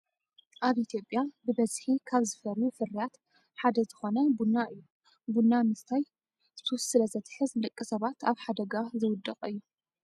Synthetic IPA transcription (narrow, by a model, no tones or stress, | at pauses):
ʔaβʔit̪ʰjo̞pʼjabɨbɐzħikʰaβzɨfɐɾjufɨɾijat̪ | ħad̪ɐzɨxo̞nɐbunːaʔɨjːu | bunːamɨst̪ʰaj | zɨt̪ʰɐwʊsɨlɐzɐt̪ʰħɨzlɨkʼːisɐβat̪ʰaβħad̪ɐɡazɨwʊd̪ːɨqʼɨjːu